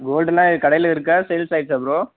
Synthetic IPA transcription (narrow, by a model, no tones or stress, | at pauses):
ɡoːlɖɛlãːkɐɽɐjɪlɪɾɯk̬ːɐsɛlsɐɪʈsɐpːɾõ